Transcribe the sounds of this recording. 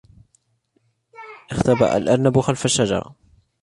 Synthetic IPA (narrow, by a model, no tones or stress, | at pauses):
ʔɪxt̪aba̰ʔa̰lʔɑɾˤnabʊxalfaʃːad͡ʒɑ̰ɾˤɑ̰